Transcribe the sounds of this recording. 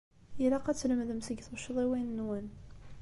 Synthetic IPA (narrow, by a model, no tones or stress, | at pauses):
jilaqæt͡sːləmðəmsəɡθʃəðˤiwinːwæn